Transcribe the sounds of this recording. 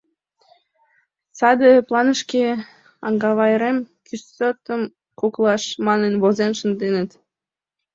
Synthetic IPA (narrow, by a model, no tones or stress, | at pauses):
sɑd̪əplˠɑnəʃke | ɑŋɡɑβɑjɾem | kʰysot̪əm | koklˠɑʃmɑnənβozenʃənd̪enə̆t̪